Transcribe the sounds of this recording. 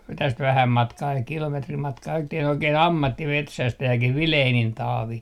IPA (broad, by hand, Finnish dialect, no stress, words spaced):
tæst ʋæhæm mɑtkɑː kilometrim mɑtkɑː etːæ ol oikeːn ɑmːɑtːimetsæstæjækih ʋileːnin tɑːʋi